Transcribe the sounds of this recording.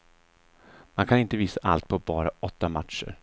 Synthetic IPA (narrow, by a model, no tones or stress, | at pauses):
mankʰanɪnt̪əviːsaʔa̰lt̪̚pʰɔbɑːɾaɔt̪ːamat̪ʂə̰ɾ